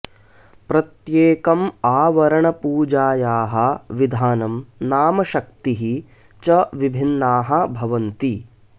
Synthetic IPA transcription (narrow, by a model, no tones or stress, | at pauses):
pɾɐt̪jeːkɐmaːʋɐɾɐɳɐpuːd͡ʒaːjaːɦɐʋid̪ʱaːnɐmnaːmɐʃɐk̚t̪iɦi | t͡ʃɐʋibʱinːaːɦɐ̆bʱɐʋɐnt̪i